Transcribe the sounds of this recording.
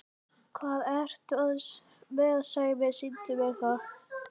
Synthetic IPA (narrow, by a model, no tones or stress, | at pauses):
kʰvaːðɛɾ̥t̪œðs | mɛðaðsaːɣɪmɛðsint̪ɪmɛθað